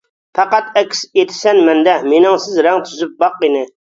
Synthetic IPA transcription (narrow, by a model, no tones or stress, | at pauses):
pʰɑqɑt̪ɛkʲʰset̪ʰɪ̥sɛnmɛnd̪ɛmenɪŋsɪzɾɛŋt̪ʰyzyp̚bɑqːinɪ